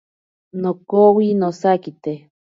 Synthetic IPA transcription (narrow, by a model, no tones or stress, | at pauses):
nokowinosakit̪e